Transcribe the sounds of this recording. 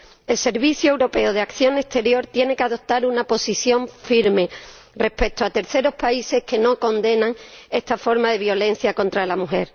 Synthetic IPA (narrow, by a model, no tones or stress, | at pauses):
e̞lse̞ɾβiθjue̞wɾo̞pe̞oð̞eakθjo̞ŋe̞st̪e̞ɾjo̞ɾt̪je̞ne̞keaðo̞p̚t̪aɾunapo̞siθjo̞ɱfiɾme̞ | re̞spe̞k̚t̪oat̪e̞ɾθeɾo̞spaise̞hke̞no̞ko̞nd̪e̞nãŋe̞st̪afo̞ɾmaðe̞βjo̞le̞n̟θjako̞nt̪ɾalamuxe̞ɾ